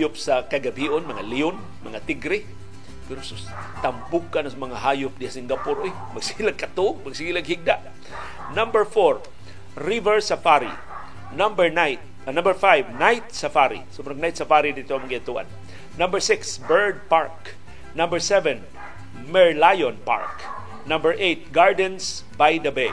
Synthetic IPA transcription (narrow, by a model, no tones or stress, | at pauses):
jʊpsakaɡabhiʔonmɐŋaliʊn | mɐŋat̪ɪɡɾɪ | pɛɾosʊ | t̪ambʊɡ̚kanasmɐŋaɦajʊp̚dɪasiŋɡapʊɾoɪ | mɐɡsɪilaɡ̚kat̪uɡ̚maɡsiɡilaɡhiɡ̚d̪aʔ | nambəɹfoɹ | ɾivɛɹsafaɾḭ | nambɛɹnajt̪̚ | nãmbəɹfajvnajt̪̚safaɾḭsobɾɐŋnajt̪sɐfaɾid̪it̪oamaŋɡiat̪uʔa̰nː | ɐmbəɹsɪksbɛɹd̪̚paɹk | nɐ̃mbəɹsɛvɛn | mɛɹlajonpa̰ɹk | nɐ̃mbəɹʔejt̪̚ɡaɹd̪ɛns | bajd̪ɐbɛ